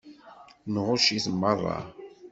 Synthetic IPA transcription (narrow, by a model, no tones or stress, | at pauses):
nʁʊʃiθmːərˤːɑ̰